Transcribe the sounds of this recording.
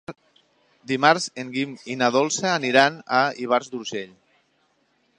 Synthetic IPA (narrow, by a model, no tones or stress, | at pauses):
d̪imaɾzeŋɡiminaðɔlˠsaːniɾanaiβ̞aɾzd̪uɾʒeʎ